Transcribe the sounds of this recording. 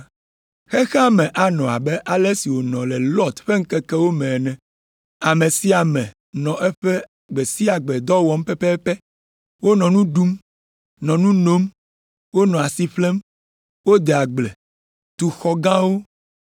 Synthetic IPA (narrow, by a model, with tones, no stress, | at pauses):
xɛ˦xɛ˦a˦˨mɛ̃˨ʔa˨nɔ̃˨a̰˨bɛ˦ʔa˨lɛ˦si˨wo˨nɔ̃˨lɛ˨lɔ˦t̪ɸe˦ŋ̩˦kɛ˦kɛ˦wo˦mɛ̃˨nɛ̃˨ | a˨mɛ̃˨si˦a˨mɛ̃˨ | nɔ̃˨ʔɛ˦ɸɛ˦ | ɡ͡bɛ˨si˦a˨ɡ͡bɛ˨d̪ɔ˦wɔ˦m˦pɛ˦pɛ˦ɛ˦pɛ˦ | wo˦nɔ̃˨nũ˦ɖu˦m | nɔ̃˨nũ˦no˦m | wo˦nɔ̃˨a˨si˦ɸlɛ˦m | wo˦d̪ɛ˨a˨ɡ͡blɛ˨ | t̪u˨xɔ˦ɡã˦wo˦